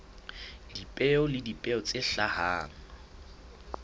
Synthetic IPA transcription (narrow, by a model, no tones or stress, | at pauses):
dipʼɛɔlɪdipʼɛɔt͡sʼeɬahaːŋ̩